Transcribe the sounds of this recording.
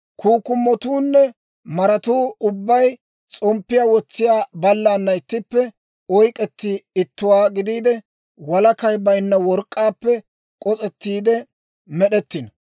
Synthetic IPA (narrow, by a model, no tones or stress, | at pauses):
kuːkːʊmːɔt̪uːnːɛ | mɐɾɐt̪uːʊbːɐj | t͡sʼɔmpːɪjaːwɔt͡sːɪjaːbɐlːaːnːɐɪt̪ːɪpːɛ | ɔjkʼɛt̪ːɪɪt̪ːʊwaːɡɪd̪iːd̪ɛ | wɐlɐkɐjbɐjnːɐwɔɾkʼːaːpːɛ | kʼɔt͡sʼɛt̪ːiːd̪ɛ | mɛɗɛt̪ːɪn